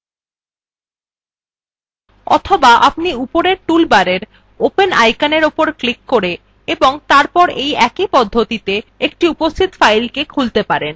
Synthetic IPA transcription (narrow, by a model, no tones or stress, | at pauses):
ɔ̰t̪ʰobaʔapniupoɾeɾʈulbaɾeɾ | openajkaneɾopoɾklikːoɾe | eboŋt̪aɾpɔɾejɛkipɔd̪ʱːot̪it̪eek̚ʈiupost̪ʰit̪fajlkekʰult̪epaɾen